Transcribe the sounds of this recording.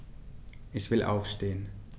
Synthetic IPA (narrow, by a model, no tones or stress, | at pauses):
ʔɪçv̥ɪlʔa̰ʊfʃteːən